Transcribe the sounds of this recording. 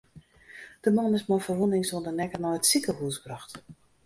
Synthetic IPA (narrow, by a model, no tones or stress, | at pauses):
d̥əmɑnɪsmɔjfərʋonɪŋsondənɛkənɔjətsikəɦuːsbrɑxt